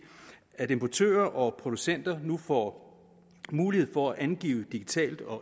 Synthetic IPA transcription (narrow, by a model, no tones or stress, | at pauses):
æd̥e̝mpʰɒt͡sʰø̰ːɐʔɒ̽pʰʁo̝d̥usen̰d̥ɐnufɒ̰ | muːlihe̝ð̰ˠfɒ̽æʔænɡ̥ḭːʊd̥iɡ̥it͡sʰɛ̰ːld̥ɒ̽